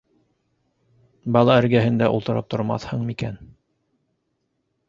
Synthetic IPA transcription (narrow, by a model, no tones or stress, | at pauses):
bɑlˠɑɘ̆ɾɡæɦɘ̆nd̪æʔṵlˠt̪ɤ̆ɾɤ̰p̚t̪ʰŏɾmɑ̰θhɤɴmikæn